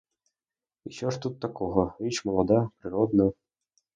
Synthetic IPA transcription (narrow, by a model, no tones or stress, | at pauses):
iɕoʂt̪ut̪ːakoɣɤ̆it͡ɕmolˠɑd̪ɑpɾʲiɾod̪nɤ̆